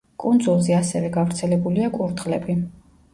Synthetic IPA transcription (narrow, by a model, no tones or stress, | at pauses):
kʼund̪zulˠzɛasɛvɛɡavɾt̪sʰɛlɛbuliakʼuɾd̪ʁlɛbi